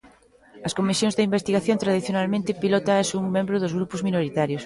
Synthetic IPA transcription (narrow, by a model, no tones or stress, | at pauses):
ɐskomisjõŋzðɪimbest̪iɣaθjõnt̪ɾað̞iθjonalmẽnt̪ɪpilɔt̪asuŋmẽmbɾʊðʊzɣɾupʊzminoɾit̪aɾjʊs